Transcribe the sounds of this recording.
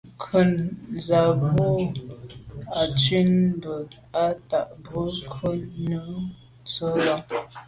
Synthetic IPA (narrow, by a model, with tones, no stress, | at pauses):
kʰə˨nza˨bo˦ | a˨t͡ʃi˦nbə˨ | a˦ta˨ʔbə˦kʰə˦nːə˦ | t͡sə˦la˦